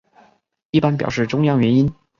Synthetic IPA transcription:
i˥˩pa˥np̬jɑ˨˩ʊʂɻ̩˥˩ʈ͡ʂʊ˥ŋjɑ˥ŋɥɛ˧˥ni˥n

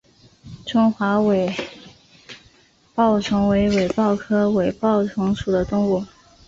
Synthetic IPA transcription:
ʈ͡ʂʊ˥ŋxwa˧˥we˨˩ɪ | pɑ˥˩ʊʈ͡ʂʰɤ˧˥ŋwe˧˥ɪwe˨˩ɪpɑ˥˩ʊkʰɤ˥we˨˩ɪpɑ˥˩ʊʈ͡ʂʰʊ˧˥ŋʂu˨˩d̪ə˦t̪ʊ˥˧ŋu˥˩

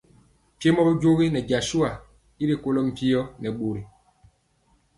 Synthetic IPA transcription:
t͡ʃe˦mɔ˦bɔ˦d͡ʒo˦ɣi˦nɛ˨d͡ʒa˨su˦a˨ | i˦ɾi˨ko˦lɔ˦m̩˨pi˦ɔ˦nɛ˨ɓo˨ɾi˨

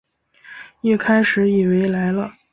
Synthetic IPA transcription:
i˥˩kʰa˥ɪʂɻ̩˨˧˥i˨˩we˧˥ɪla˧˥ɪlə˧

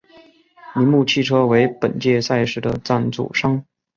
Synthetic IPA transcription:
mi˧˥nmu˥˩t͡ɕʰi˥˩ʈ͡ʂʰɤ˥we˧˥ɪpə̰˨˩nt͡ɕjɛ˥˧sa˥˧ɪʂɻ̩˥˩d̪ə˧˩t͡sa˥˩nt͡sṵ˨˩ʂɑ˥ŋ

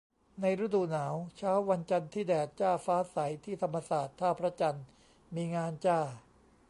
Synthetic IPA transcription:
na˧jɾa˦˥duː˧˩naː˩˦wt͡ɕʰaː˦˥wːa˧nt͡ɕa˧nt̪ʰiː˥˩dɛː˨˩t̪̚t͡ɕaː˥˩faː˦˥sa˩˦jt̪ʰiː˥˩t̪ʰa˧mːa˧saː˨˩t̪ʰːaː˥˩pʰɾa˦˥t͡ɕa˧n | miː˧ŋaː˧nt͡ɕaː˥˩

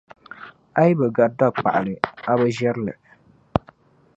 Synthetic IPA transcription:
a˦ji˦bɛ˨ɡa˨da˦˨k͡pa̰˨ʔa˨lɨ˨a˦bɛ˦ʒɛ˦ɾɨ˦lɨ̰˨

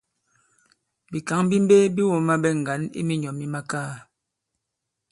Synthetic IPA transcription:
bi˨ka˨˦ŋ˦bi˦m̩˦be˦bi˦wo˨ma˦bɛ˦ŋ̩˨ɡa˨˦nḭ˦mi˦ɲɔ˨mi˦ma˦kaː˦

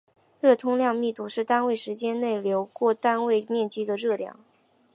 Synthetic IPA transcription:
ɻɤ˥˩t̪ʰʊ˥ŋljɑ˥˧ŋmi˥˧t̪u˥˩ʂɻ̩˥˩t̪a˥nwe˥˩ɪʂɻ̩˧˥t͡ɕjɛ˥nne˥˩ɪljo˧˥ʊkwɔ˥˩t̪a˥nwe˥˧ɪmjɛ˥˩nt͡ɕi˥d̪ə˨ɻɤ˥˩ljɑ̰˥˩ŋ

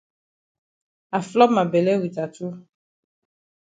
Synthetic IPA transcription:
a˨flɔ˦mã˨be˨lɛ˦wi˨t̪a˨t̪u˦

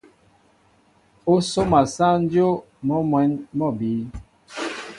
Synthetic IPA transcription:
o˦so˦ma˨sa˦n˦d͡ʒo˦ | mɔ˦mwɛ˨˦nmɔ˦˨bi˨˦

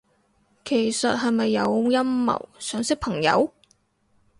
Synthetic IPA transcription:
kʰe˨˩jsɐ˨t̚hɐ˨jmɐ˨jːɐ˨˧wjɐ˥mːɐ̰˨˩wsœː˨˥ŋsɪ˥k̚pʰɐ˨˩ŋjɐ̰˨˧w

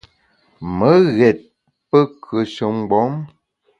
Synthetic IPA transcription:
mə˦ɣɛ˨t̚ | pə˦kʰə˨ʃə˨m˦ɡ͡bɔ˨˦m

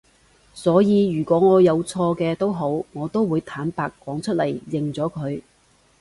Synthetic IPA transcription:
sɔː˨˥jiː˧jyː˨˩kʷɔː˨˥ŋɔː˨˧jɐ˨˧wt͡sʰɔː˧kɛː˧t̪o˥wɦo˨˥wŋɔː˨˧t̪o˥wwuː˨˧jt̪ʰaː˨˥npaː˧kːwɔː˨˥ŋt͡ʃʰɵ˥t̚lɐ˨˩jjɪ˨ŋt͡sɔː˨˥kʰɵ˨˧ɥ

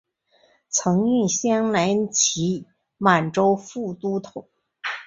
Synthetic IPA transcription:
t͡sʰɤ˧˥ŋy˥˩ɕjɛ˥nla˧˥nt͡ɕʰi˧˥ | ma˨˩nʈ͡ʂo˥ʊfu˥˩t̪u˥t̪ʰʊ˨˩˦

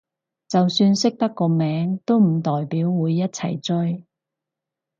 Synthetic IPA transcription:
t͡sɐ˨wsyː˧nsɪ˥k̚t̪ɐ˥kːɔː˧mɛː˨˥ŋt̪o˥wm̩˨˩t̪ɔː˨jpiː˨˥wːuː˨˧jːɐ˥t̚t͡sʰɐ̰˨˩jt͡sɵ˥j

